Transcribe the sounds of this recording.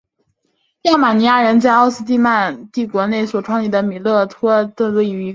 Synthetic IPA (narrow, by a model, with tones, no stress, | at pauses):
ja˥˩ʊma˨˩ni˧˥ja˥˩ɻə˧˥nt͡sa˥˧ɪɑ˥˧ʊsɹ̩˥t̪i˥˧ma˥˧nt̪i˥˩kwɔ˧˥ne˥˩ɪswɔ˨˩ʈ͡ʂʰwɑ˥˧ŋli˥˩d̪ə˦˩mi˨˩lɤ˥˩t̪ʰwɔ˥t̪ɤ˥˧we˥˩ɪy˧˥